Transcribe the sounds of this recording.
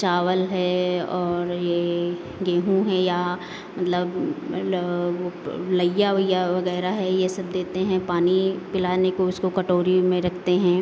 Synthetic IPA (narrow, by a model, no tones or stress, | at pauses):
t͡ʃaːʋəlɦɛɔːɾje | ɡeːɦũɦɛ̃ja | mɐt̪ləb | olɐjaʋɐjaʋɐɣɛːɾaɦɛjesɐb̚d̪eːt̪eɦɛ̃paːnipɪlaːnekoʊskokɐʈoːɾimẽɾɐkʰt̪eɦɛ̃ː